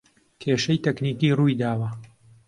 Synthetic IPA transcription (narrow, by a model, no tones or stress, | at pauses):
k̪ʰeːʃɐjt̪ʰɛkniːkiːrujd̪aːwɐ